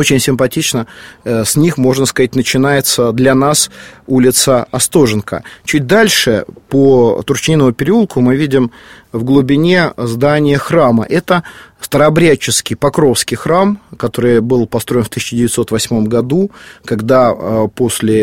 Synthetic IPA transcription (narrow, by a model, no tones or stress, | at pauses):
ot͡ɕɪnʲsʲɪmpɐtʲit͡ɕnəsʲnʲixmo̞ʐnəskɐatʲnət͡ɕɪnajɪt̪səd̪lʲɐnasulʲɪt̪səɐst̪o̞ʐɨnkə̰t͡ɕut̚ʲd̪alʲʂɨpət̪ʊrt͡ɕɪnʲinəvʊpʲɪɾʲɪulˠkʊmɨvʲidʲɪm | vɡlˠʊbʲɪnʲe̞zd̪anʲɪjəxramə̰ʔɛt̪əst̪əɾɐbɾʲæt͡ɕːɪskʲɪjpɐkɾo̞fskʲɪjxɾamkɐt̪o̞ɾɨjbɨlˠpɐst̪ɾo̞ɪnft̪ɨsʲɪt͡ɕɪdʲɪvʲɪt̪so̞t̪vɐsʲmo̞mɡɐd̪ukɐɡd̪apo̞sʲlʲɪ